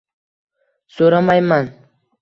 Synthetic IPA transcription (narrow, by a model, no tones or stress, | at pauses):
soɾamajman